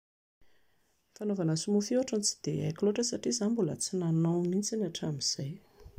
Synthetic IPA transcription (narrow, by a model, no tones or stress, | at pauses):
fanovanəsumufuaʈ͡ʂunt͡si̥d̪eajkʲloʈ͡ʂəsaʈ͡ʂizanmbulə̰t͡sinanawnint͡sinaʈ͡ʂamiz̥aj